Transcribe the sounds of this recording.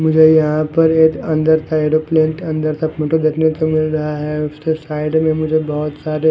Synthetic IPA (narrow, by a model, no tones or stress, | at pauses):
mʊd͡ʒʱejɐɦãpɐɾeːkɐ̃nd̪əɾt̪ʰaeːɖoplẽːɳʈɐ̃nd̪əɾt̪ʰɐpmoʈod̪eːkʰnet̪omɪlɾɐɦaɦɛʊskesaːɪɖmẽmʊd͡ʒʱebɔɦʊt̪saːɾe